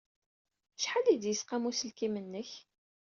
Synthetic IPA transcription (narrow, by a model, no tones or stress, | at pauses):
ʃħalid̪jəsqæmusəlkimənːəç